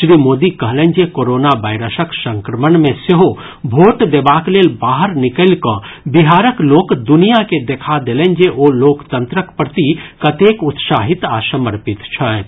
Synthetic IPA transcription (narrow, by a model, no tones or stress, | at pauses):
ʃɾiːmoːd̪ikɐɦlẽnd͡ʒekoːɾoːnabaːɪɾəsəksə̃ŋkɾəmənmẽseɦo | bʱoːʈd̪ebaːkleːlbaːɦəɾnɪkəlkə̃bɪɦaːɾəkloːkd̪ʊnijaked̪ekʰad̪eːlẽnd͡ʒeʔoloːkt̪ə̃nt̪ɾəkpɾət̪ikɐt̪eːkʊt̪ʃaːɦɪt̪aːsəməɾpɪt̪t͡ʃʰə